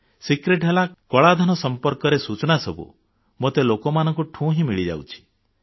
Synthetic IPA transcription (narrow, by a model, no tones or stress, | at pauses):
sikɾeʈɦelakɔɭad̪ʱɔnɔsɔmpɔɾkɔɾesut͡ʃɔnasɔbṵ | mot̪elokɔmanɔŋkuʈʰũɦĩmiɭid͡ʒa̰wt͡ʃʰi̥